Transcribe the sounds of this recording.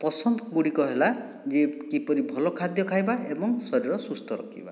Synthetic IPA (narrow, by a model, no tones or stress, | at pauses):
pɔsɔnd̪ɔɡuɽikɔɦela | d͡ʒekipɔɾibʱɔlɔkʰad̪jɔkʰajbaebɔŋsɔɾiɾɔsust̪ʰɔɾɔ̰kʰḭba